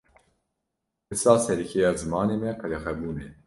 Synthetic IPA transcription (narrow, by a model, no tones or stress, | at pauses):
bɨsɑːsɛɾikʰejɑːzɨmɑːneːmɛkʰɐɾɛxɛbuːne